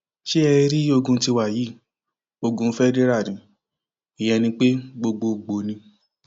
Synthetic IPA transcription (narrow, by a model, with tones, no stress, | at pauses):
ʃe˦ɛ˧˦ɾi˦o˧ɡũ˧˦ti˧wa˨ji˨˦˨ | o˧ɡũ˧˦fɛ˦de˦ɾa˦˨ɾĩ˨˦ | i˨j̃ɛ̃˧nĩ˧k͡pe˦ɡ͡bo˧ɡ͡bo˧˨ɡ͡bo˨nĩ˧